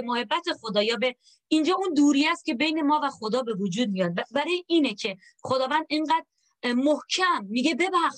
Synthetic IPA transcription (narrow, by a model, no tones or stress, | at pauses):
mohe̞bːæt̪ʰe̞xod̪ɒːjɒːbe | ind͡ʒɒːund̪uːɾijæst̪cʲʰe̞be̞jne̞mɒːvæxod̪ɒːbe̞vod͡ʒuːd̪̚mijɒd̪̚bæɾɒːjeiːnecʰe̞ | xod̪ɒːvænd̪eɴɢæːd̪ː | ohcʰæmːiɡe̞be̞bæx